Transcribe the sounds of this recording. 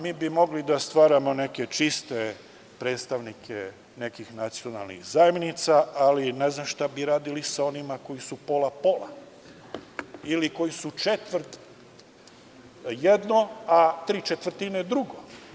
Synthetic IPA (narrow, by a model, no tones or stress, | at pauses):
miːbimo̞ɡlid̪ast̪ʋaːɾamo̞ne̞ket͡ʃist̪e | pɾe̞ːt̪st̪aʋnikʰe | ne̞kixnat̪sio̞na̰lˠnḭxzajemnit̪saalineznamʃt̪abiɾaːd̪ilisao̞nimako̞jisupo̞lapola̰ | iliko̞jisut͡ʃet̪ʋɾt̪ | jed̪noat̪ɾiːt͡ʃet̪ʋər̩ɾt̪ined̪ɾuɡo